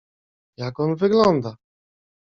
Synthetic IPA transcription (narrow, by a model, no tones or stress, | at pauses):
jakɔnvɘɡlɔnd̪a